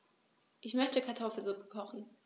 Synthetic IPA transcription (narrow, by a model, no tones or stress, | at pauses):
ʔɪçmœçtəkʰaɐtʰɔfl̩zʊpə̥kʰɔχn̩